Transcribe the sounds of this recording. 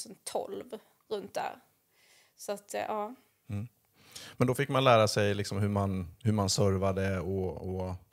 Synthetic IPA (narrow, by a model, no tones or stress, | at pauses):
sɔnt̪ʰɔ̰lv | ɾɵnt̪̚d̪æ̰ɾ | sɔat̪ʔɑː | m̩ː | mɛnd̪ɔfɪkːmanlæːɾasɛjlɪksɔmɦɵɾmanhɵɾmansœɾvad̪əɔɔ